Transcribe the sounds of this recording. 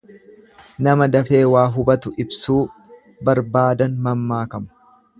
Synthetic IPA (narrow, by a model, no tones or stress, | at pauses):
nɐmɐd̪ɐfe̞ːwaːɦʊbɐt̪ʊʔɪbsuː | bɐɾbaːd̪ɐnmɐmːaːkɐmɐ̥